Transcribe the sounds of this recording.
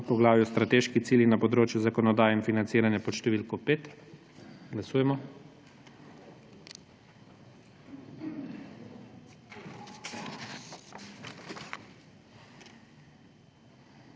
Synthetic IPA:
pɔɡlaːʋjust̪ɾat̪eːʃkit̪siːljinapɔd̪ɾoːt͡ʃjuzakɔnɔd̪aːjɛinfinant̪siːɾanjapɔʃt̪ɛʋilkɔpeːt̪ | ɡlasuːjɛmɔ

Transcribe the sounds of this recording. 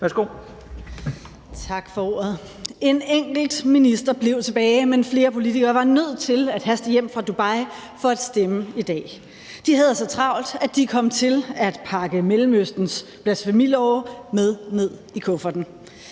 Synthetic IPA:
ʋæɐsɡ̥o̝̰ | t͡sʰɑ̈ɡ̥fɒ̽o̝̰ːɐð̞̩ˠ | e̝neŋ̰ɡ̥l̩d̥minisd̥ɐb̥le̝ʊt͡sʰe̝b̥ɛːɪmenfle̝ːɐpʰo̝lit͡sʰiɡ̥ɐːʋɑ̈nøð̞̰ˠt͡sʰe̝læd̥ɦæsd̥əjem̰fʁɑ̈d̥ub̥ɑ̈ɪ̰ | fɒ̽æd̥sd̥eməid̥ɛ̰ː | d̥iɦæð̞ˠsɒ̽t͡sʰʁɑ̈ʊ̰ld̥æd̥ikʰɒ̽m̰t͡sʰe̝læd̥pʰɑ̈ɡ̥əmelm̩øsd̥n̩sb̥læsfæmil̰ɒʊmeð̞ˠne̝ð̞̰ˠ | ikʰɔ̽fɐd̥n̩

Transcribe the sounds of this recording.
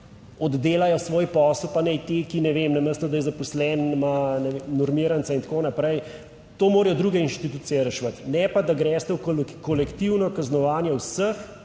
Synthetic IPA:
ɔd̪ːeːlajɔsʋoːjpɔːslpanɛjt̪ekinɛʋeːmnɐməst̪ɔd̪ajɛzapɔslɛnmanɛʋemnɔɾmiːɾansaint̪koːnapɾɛj | t̪oːmoːɾjɔd̪ɾuːɡɛinʃt̪it̪uːt̪sijɛɾɛʃʋət̪nɛpad̪aɡɾɛːst̪ɛwkkɔlɛkt̪iwnɔkaznɔʋaːnjɛwsəx

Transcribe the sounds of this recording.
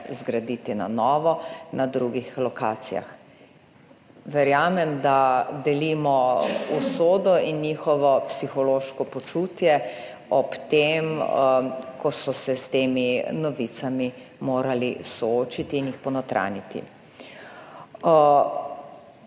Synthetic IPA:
zɡɾad̪it̪ina̰nɔːʋɔnad̪ɾuːɡixlɔka̰ːt̪sija̰x | ʋɛɾjaːmɛmd̪ad̪ɛlimɔusoːd̪ɔinɲiːxɔʋɔpsixɔloːʃkɔpɔt͡ʃut̪jɛ | ɔpt̪em | kɔsɔsɛst̪eːminɔʋit̪sami | moːɾalḭsɔoːt͡ʃit̪iːnjixpɔnɔt̪ɾʔa̰nit̪ḭ

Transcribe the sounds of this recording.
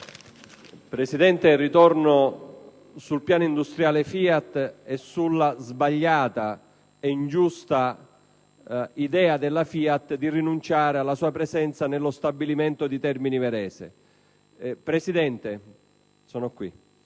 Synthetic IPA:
pɾesid̪ɛnt̪erit̪ɔrno | sulpjaːnoind̪ust̪ɾjaːlefiːat̪ːɛsulːazbaʎːaːt̪a | eind͡ʒust̪a | id̪ɛːad̪elːafiːat̪ːd̪irinunt͡ʃaːɾealːasuːapɾezɛnt̪sanelːost̪abːiliment̪od̪it̪ɛrminivɛɾɛːsɪ̰ | pɾesid̪ɛnt̪e | sɔːnokwḭ

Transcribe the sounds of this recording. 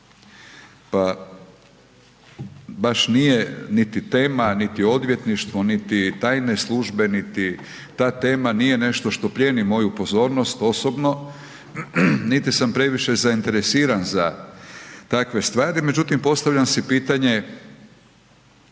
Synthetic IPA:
pa | baʃnije̞nit̪it̪e̞ːmanit̪io̞d̪ʋje̞t̪niʃt̪ʋo̞nit̪it̪aːjne̞slˠuʒbe̞nit̪i | t̪aːt̪e̞ːmanije̞ne̞ʃt̪o̞ʃt̪o̞pɾje̞ːnimo̞jupo̞zo̞ːɾno̞st̪o̞so̞bno̞ | nit̪isampɾe̞ʋiʃe̞zaint̪e̞ɾesiːɾanza | t̪akʋe̞st̪ʋaːɾime̞d͡ʑut̪impo̞st̪aʋʎamsipiːt̪aɲe̞

